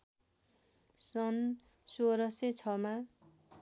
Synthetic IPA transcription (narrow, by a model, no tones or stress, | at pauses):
sʌn | soɾʌset͡sʰʌma